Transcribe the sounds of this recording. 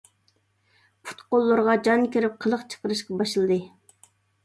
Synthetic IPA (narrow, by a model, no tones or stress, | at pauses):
pʰu̥t̪qolˠːʊɾʁɑd͡ʒɑnkʲiɾɪp̚qʰəlˠəqt͡ʃʰə̥qəɾɨʃqɑbɑʃɨlˠɨd̪ɨ